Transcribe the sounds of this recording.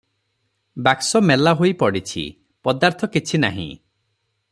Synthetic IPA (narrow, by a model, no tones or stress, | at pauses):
baksɔmelaɦojpɔɽit͡ʃʰḭ | pɔd̪aɾt̪ʰɔkit͡ʃʰina̰ɦḭ̃